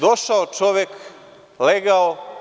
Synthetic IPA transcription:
d̪oʃaot͡ʃoʋjek | leɡao

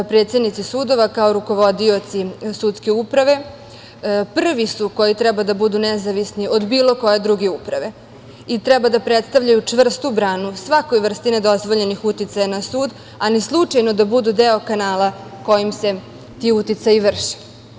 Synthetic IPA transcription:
pɾet̪se̞d̪nit̪sisuːd̪o̞ʋakaoɾuko̞ʋo̞d̪io̞t̪sisut̪ske̞upɾaʋe̞ | pr̩ʋisuko̞jit̪ɾɛbad̪abud̪unɛzaʋisniod̪biːlo̞ko̞je̞d̪ɾuɡeupɾaʋe̞ | it̪ɾɛbad̪apɾet̪st̪aʋʎajut͡ʂʋr̩st̪ubɾaːnusʋako̞jʋr̩st̪ine̞d̪o̞zʋo̞ʎe̞nixut̪it̪sajanasuːd̪ | alislˠut͡ʂajnod̪abud̪ud̪eo̞kanaːla | ko̞jimse̞ | t̪iːut̪it̪sajiʋr̩ʃe̥

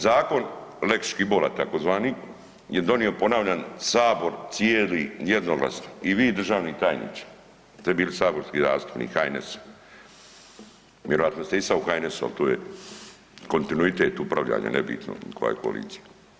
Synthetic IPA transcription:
zaːko̞nlekʃkibolat̪akozʋaːni | jed̪o̞nio̞po̞naːʋʎansaːbo̞ɾt̪sijeːlijed̪noɡla̰snaiʋiːd̪r̩ʒaːʋnit̪aːjnḭt͡ʃḁ | t̪obiːlsaːbo̞ɾskiːzaːst̪u̥pnḭːxajneso̥ | ʋjeɾo̞ʋat̪nost̪eisauxajnesoa̰lt̪oːjḛ | ko̞nt̪inuit̪e̞ːt̪upɾaʋʎa̰ːɲa̰nebḭt̪no̰ko̰ja̰jekoa̰lḭːt̪si̥ja

